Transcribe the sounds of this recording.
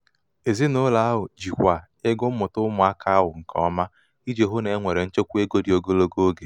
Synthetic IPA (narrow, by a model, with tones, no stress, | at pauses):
e˨zi˦nʊ˦la˨a˦ɦʊ˨d͡ʒi˨kʷa˨ | ɪ˦ɡʊ˦mʊ˨tʊ˦mʊ˨a˦kʰa˦ɦʊ˨ŋ̩˨kʰɔ˨˦ma˦ | i˦d͡ʒe˨ɦʊ˦ne˨˦ŋʷe˨ɾe˨n̩˦t͡ʃo˦kʷu˦e˦ɡo˦di˨o˦ɡo˦lo˦ɡo˦ɡe˨